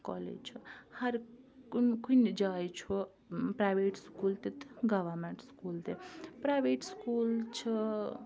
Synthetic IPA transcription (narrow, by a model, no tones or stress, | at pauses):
kɔ̰lḛd͡ʒt͡ʃʰuhɐɾkkund͡ʒajt͡ʃʰu | pɾajbeʈskult̪et̪ɡʌʋɐɾmeɳʈskuːlt̪epɾajbeʈskult͡ʃʰʌ